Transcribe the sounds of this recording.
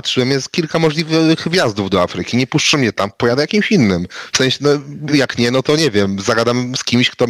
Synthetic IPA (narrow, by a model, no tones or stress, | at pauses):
atʂɨwɛmjɛskʲilkamɔʐlʲivɘxvʲjazd̪uvd̪ɔa̰fɾɘkʲiɲɛpuʂt͡ʂɛmɲɛt̪ampɔjad̪ɛjakʲimɕinːɘmfsɛ̃ɕɛnɔjakɲɛnɔt̪ɔɲɛvʲjɛmzaɡad̪amskʲimɕkt̪ɔ